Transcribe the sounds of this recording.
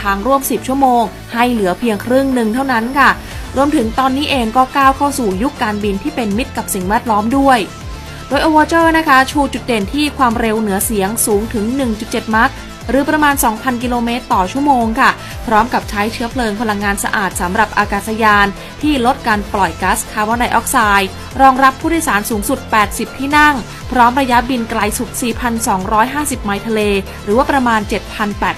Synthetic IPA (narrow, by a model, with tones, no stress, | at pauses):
t̪ʰaː˧ŋɾu˥˩əmsi˨˩p̚t͡ɕʰu˥˩əmoː˧ŋ | ha˥˩jlɯ˩˦ɐpʰi˧əŋkʰɾɯ˥˩ŋnɯ˨˩ŋt̪ʰa˥˩wna˦˥nkʰa˥˩ | ɾu˧əmt̪ʰɯ˩˦ŋt̪ɔː˧nːiː˦˥ʔeː˧ŋkɔː˥˩kaː˥˩wkʰa˥˩wsuː˨˩ju˦˥kːaː˧nbi˧nt̪ʰiː˥˩pe˧nmi˦˥t̪̚ka˨˩p̚si˨˩ŋwɛː˥˩t̪̚lɔː˦˥mdu˥˩əj | doː˧jʔoː˧waː˧t͡ɕɤː˥˩na˦˥kʰa˦˥t͡ɕʰuː˧t͡ɕu˨˩t̪̚de˨˩nt̪ʰiː˥˩kʰwaː˧mɾe˧wnɯ˩˦ɐsi˩˦əŋsuː˩˦ŋt̪ʰɯ˩˦ŋnɯ˨˩ŋt͡ɕu˨˩t̪̚t͡ɕe˨˩t̪̚ma˦˥k̪̚ | ɾɯː˩˦pɾa˧maː˧nsɔː˩˦ŋpʰa˧nk̬i˧loː˧meː˦˥t̪ːɔː˨˩t͡ɕʰu˥˩əmoː˧ŋkʰa˥˩ | pʰɾɔː˦˥mka˨˩p̚t͡ɕʰa˦˥jt͡ɕʰɯ˦˥ɐpʰlɤː˧ŋpʰa˧la˧ŋːaː˧nsa̰˧ʔa̰ː˨˩t̪̚sa˩˦mɾa˨˩p̚ʔaː˧kaː˨˩sa˧jaː˧n | t̪ʰiː˥˩lo˦˥t̪̚kaː˧nplɔ˨˩jka˦˥skʰaː˧˩wɔː˧˥nda˧jʔɔː˦˥k̚saː˧j | ɾɔː˧ŋɾa˦˥pʰːuː˥˩djsaː˩˦nsuː˩˦ŋsu˨˩t̪̚pɛː˨˩t̪̚si˨˩p̚t̪ʰiː˥˩na˥˩ŋ | pʰɾɔː˦˥mɾa˧ja˦˥bi˧nkla˧jsu˨˩t̪̚siː˨˩pʰa˧nsɔː˩˦ŋɾɔː˦˥jɦaː˥˩si˨˩p̚ma˨˩jt̪ʰa˧leː˧ | ɾɯː˩˦waː˥˩pɾa˧maː˧nt͡ɕe˨˩t̪̚pʰa˧npɛː˨˩t̪̚